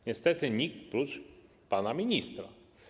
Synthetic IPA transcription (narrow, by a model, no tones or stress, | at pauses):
ɲɛst̪ɛt̪ɘɲik̚pɾut͡ʂ | panamʲiɲist̪ɾa̰